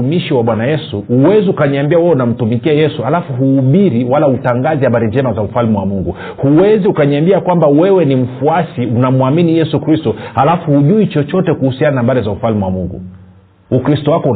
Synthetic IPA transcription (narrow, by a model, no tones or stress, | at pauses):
umiʃiwaɓwanajɛsuːwɛziukaɲiambiawɛunam̩tumikiajɛsuhalafuɦuːɓiɾiwalautaŋɡazihaɓaɾiɲd͡ʒɛmazaufalmiwamuŋɡu | huwɛziukaɲiambiakwambawɛwɛnim̩fuasiunamwaminijɛsukɾistɔhalafuhuʄuit͡ʃɔt͡ʃɔtɛkuhusiananaɓaɾizaufalmiwamuŋɡṵ | ukɾistɔwakɔu